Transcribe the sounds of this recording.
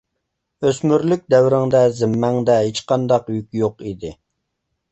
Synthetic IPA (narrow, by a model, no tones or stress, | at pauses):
øsmyɾlyk̚ʲd̪ɛwɾɪŋd̪ɛzɪmːɛŋd̪ɛɦet͡ʃqɑnd̪ɑqjykʲjoqid̪ɪ